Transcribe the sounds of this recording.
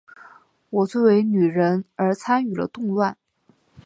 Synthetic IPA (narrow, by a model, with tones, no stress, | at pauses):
wɔ˨˩t͡swɔ˥˩we˧˥ɪny˨˩ɻə˧˥nə˞˧˥t͡sʰa˥ny˨˩lə̰˦t̪ʊ˥˧ŋlwa˥˩n